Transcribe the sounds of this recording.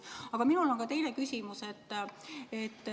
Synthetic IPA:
ɑɡ̥ɑminulo̞ŋkɑt̪e̞jlekysʲimuset̪ːe̞t̪ː

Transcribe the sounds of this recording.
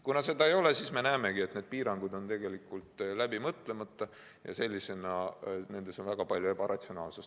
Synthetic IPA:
kunɑse̞d̪ɑejo̞le̞siːsme̞næːme̞ɡ̥ie̞t̪ned̪̥̚piːɾɑŋɡud̪o̞nt̪e̞ɡe̞likːˑult̪ˑlæbimɤt̪ˑle̞mɑt̪ːˑɑ | jɑ̰se̞lʲːise̞nɑne̞nd̪e̞so̞nvæɡ̥ɑpɑlʲjue̞bɑɾɑt̪sio̞nɑ̰ːlses

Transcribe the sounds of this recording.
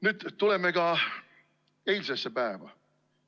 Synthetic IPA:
nyːd̪̥t̪ulemeɡɑ | ejlʲsesːepæevɑ̰

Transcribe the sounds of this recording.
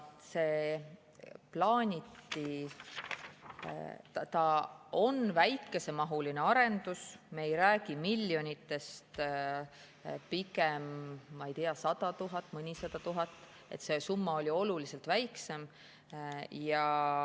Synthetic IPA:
se̞ː | plɑːnʲit̪ːi | t̪ɑt̪ɑo̞nvæjkːe̞se̞mɑɦuline̞ɑɾe̞nd̪usmeejɾæːɡ̥imilʲːjo̞nʲit̪ːˑe̞st̪ | pikemːɑejt̪ijɑsɑd̪̥ɑt̪uɦɑt̪ːˑmɤnʲisɑd̪̥ɑt̪uɦɑt̪ːˑ | e̞̰t̪se̞sumːɑo̞lʲio̞lulise̞lt̪væjkse̞m | jɑ

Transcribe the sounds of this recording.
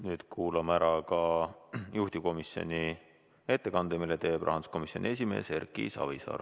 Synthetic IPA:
nyːd̪̥kʰuːlɑmæɾɑkɑ | juht̪ʲiko̞misjo̞̰nʲi | e̞t̪ːe̞kɑnd̪̥emilːet̪e̞ːb̥ʔɑ̰ɦɑnsko̞misjo̞nʲie̞s̬ʲime̞̰ːse̞rkḭsɑ̰visɑ̰ːr

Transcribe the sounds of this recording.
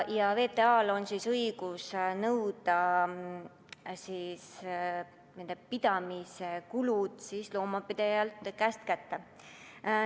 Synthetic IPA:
jɑve̞ːt̪e̞ɑːlo̞nsisɤjɡ̥usnɤwd̪̥ɑ | sis | nend̪epid̪̥ɑmisekulud̪̥sislo̞ːmɑpid̪̥ejɑlt̪kæst̪̚kæt̪ːe

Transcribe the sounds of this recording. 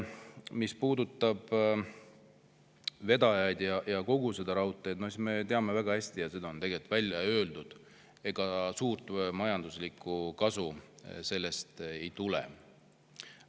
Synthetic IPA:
mispuːd̪ut̪ːˑɑb̥ | ve̞d̪̥ɑjɑjd̪̥jɑjɑko̞ɡ̥use̞d̪̥ɑɾɑut̪ːˑe̞jd̪nosisme̞t̪e̞ɑme̞væɡ̥ɑhæsʲt̪ijɑse̞d̪ɑo̞nt̪e̞ɡe̞lt̪ˑvælʲjɑø̞ːld̪ud̪̥ | e̞ɡ̥ɑsuːrt̪ˑmɑjɑnd̪uslikˑukɑsuse̞lːe̞st̪e̞jt̪ulḛ

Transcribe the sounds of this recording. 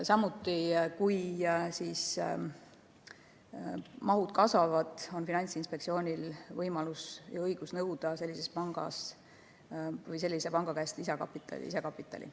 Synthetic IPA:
sɑmut̪ːˑikujsis | mɑɦud̪̥kɑsvɑvɑd̪̥o̞nfinɑnʲt̪sinspe̞ktsio̞ːnʲilvɤjmɑlusjɑɤjɡ̥usnɤwd̪̥ɑse̞lʲːise̞spɑŋɡ̥ɑ̰s | vɤjse̞lːisepɑŋɡ̥ɑkæest̪isekɑ̰pːit̪ːˑɑ̰lḭsekɑpːˑit̪ːˑɑ̰lʲḭ

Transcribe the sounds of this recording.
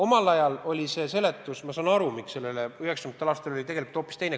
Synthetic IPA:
o̞mɑlɑjɑlo̞lʲise̞ːse̞le̞t̪ːˑusmɑsɑːnɑɾumikse̞lːeleye̞ksɑmd̪t̪elɑːst̪elo̞lit̪e̞ɡe̞likult̪oːpːˑist̪ejne

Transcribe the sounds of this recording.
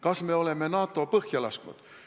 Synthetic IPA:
kɑsme̞o̞le̞mːenɑːt̪ːˑo̞pɤhjɑlɑsknṵd̪̥

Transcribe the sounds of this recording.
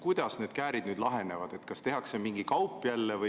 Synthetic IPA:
kujd̪̥ɑsne̞ːd̪̥̚kæːɾid̪nyːd̪̥lɑɦe̞ne̞vɑd̪̥e̞t̪kɑst̪e̞ɦɑkse̞miŋɡ̥ikɑwpːˑjælːevɤ

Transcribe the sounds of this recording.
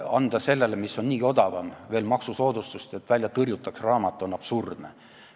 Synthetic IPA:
ɑnd̪̥ɑse̞lːelemisːo̞nniːo̞d̪ɑvɑmve̞ːlmɑksuso̞ːd̪ust̪ust̪et̪vælʲjɑt̪ɤrjut̪ːˑɑksrɑːmɑt̪ːˑuo̞nɑb̥surd̪̥ne

